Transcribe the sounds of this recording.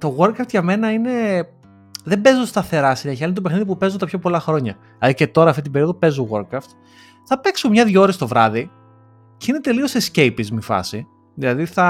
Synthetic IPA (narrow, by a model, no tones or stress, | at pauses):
t̪o̞ɣoɾkɾɐft̪ʝɐme̞nɐine̞ | ðembe̞zost̪ɐθe̞ɾɐsinɐçɐinet̪ope̞xniðip̬upe̞zot̪ɐpçopo̞lɐxɾo̞ɲɐ | ɐɾice̞t̪o̞ɾɐft̪it̪ibe̞ɾio̞ðope̞zoɣo̞ɾkɾɐft̪ | θɐpe̞ksomɲɐðʝoɾest̪ovɾɐði | ceinet̪e̞lio̞sesce̞jpizmifɐ̰si | ðilɐðiθɐ